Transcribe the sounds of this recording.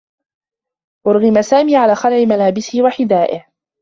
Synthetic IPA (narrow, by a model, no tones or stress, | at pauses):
ʔʊɾɣɪmasaːmiːʕalaːxalʕɪmalaːbɪsɪhwaħɪd̪aːʔɪh